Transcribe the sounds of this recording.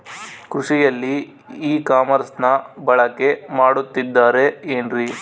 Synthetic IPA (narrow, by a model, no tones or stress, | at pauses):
kɾuʂijɐlːiː | kaːmɐɾsnɐbɐɭɐkːe̞maːɽut̪ːid̪ːaːɾe̞eːnɾi